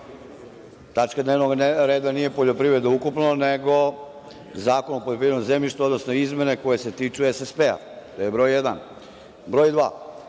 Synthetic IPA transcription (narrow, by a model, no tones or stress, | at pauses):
t̪at͡ʃkad̪neʋnoɡɾe̞ːd̪anije̞poʎo̞pɾiʋɾed̪noukupnoneɡo̞ | zaːko̞nopoʎopɾivɾed̪ozemɲʲiʃt̪uo̞d̪nosno̞izme̞ne̞ko̞je̞se̞t̪iːt͡ʂuesespea̰ | t̪ojebɾo̞ːjjed̪an | bɾoːjd̪ʋa̰ː